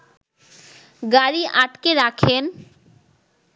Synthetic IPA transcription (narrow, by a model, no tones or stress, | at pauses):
ɡaɾiʔaʈkeɾakʰen